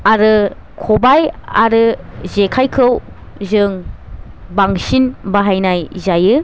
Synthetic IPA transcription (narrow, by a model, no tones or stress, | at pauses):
aɾɯ | kʰobajaɾɯzekʰajkʰɯw | zɯŋ | baŋsinbaɦajnajzajɯ